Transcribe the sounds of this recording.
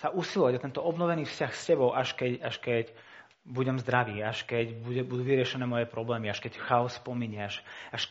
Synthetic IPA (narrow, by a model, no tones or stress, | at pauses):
saʔusilɔʋaɟat̪ɛnt̪ɔɔbnɔʋɛniːfscaxscɛbɔʊʔaʃkɛcaʃkɛc | buɟɛmzd̪ɾaʋiːaʃkɛɟbuɛbud̪uːʋiɾɪɛʃɛnɛːmɔjɛpɾɔblɛːmiaʃkɛcxaɔsːpɔmiːɲɛaʃaʃ